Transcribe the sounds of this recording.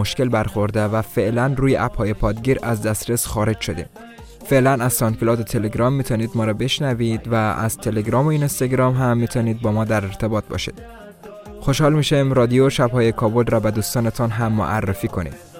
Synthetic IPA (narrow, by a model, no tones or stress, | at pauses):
oʃke̞lbæɾxo̞ɾd̪evæfe̞ʔlænruːjeʔæphɒːje̞pʰɒːd̪ɡiːɾʔæzd̪æst̪ɾesxɒːɾe̞d͡ʒʃo̞d̪ḭːm | fe̞ʔlænæzt̪ɒnkilɒːd̪ot̪ʰeleɡɾɒːmːiːt̪ʰɒːniːd̪mɒːɾɒbe̞ʃnævid̪vææ̰z̥t̪ʰeleɡɾɒːmoiːnest̪ɒɡɾɒːmɦæmːiːt̪ʰɒːniːd̪̚bɒːmɒːd̪æɾeɾt̪ʰe̞bɒːt̪̚bɒ̰ːʃḭd̪̥ | xo̞ʃhɒːlmiːʃimɾɒːd̪ijoʃæbhɒːjekʰɒːbo̞lɾɒːbæd̪uːst̪ɒːnet̪ʰɒnɦæmːo̰ʔæ̰rːefiːkʰo̞nḭːd̪